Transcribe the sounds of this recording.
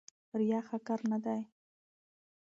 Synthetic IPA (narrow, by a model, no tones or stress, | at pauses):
ɾjɑxakaɾnad̪aj